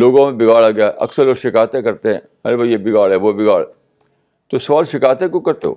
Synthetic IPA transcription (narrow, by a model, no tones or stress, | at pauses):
loːɡõmẽbɪɡaːɭaɡɐjaɦɛʔɐ̰ksəɾloːɡʃɪkaːjt̪ẽkɐɾt̪eɦɛ̰̃ː | ɦɐɾebajebɪɡaːɭɦɛʋobɪɡaːɭ | t̪osɐʋaːlʃɪkaːjt̪ẽkõkɐɾt̪eɦo̰ː